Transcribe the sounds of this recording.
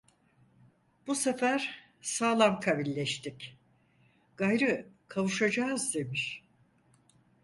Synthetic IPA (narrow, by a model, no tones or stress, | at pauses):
b̥usefæɾ̥ | saːlˠamkʰaβilʲːɛʃt̪ʰic | ɡ̥ajɾɯkʰavuʃad͡ʒaːzd̪e̞miʃ